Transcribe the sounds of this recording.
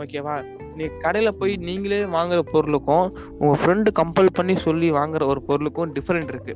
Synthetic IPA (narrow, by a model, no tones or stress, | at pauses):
oːkeːʋaː | nĩːŋɡkɐɽɐjɪlɐpoːjniːŋɡɐleːʋaːŋɡɪɾɐpɔɾɯlɯkːʊ̃ | ʊŋɡɐfɪɾɛɳɖɯkɐmpɐlpɐɳːisɔlːiʋaːŋɡɪɾɐɔɾɯpɔɾɯlɯkːʊ̃ɖɪfɐɾɛɳʈɪɾɯkːɯ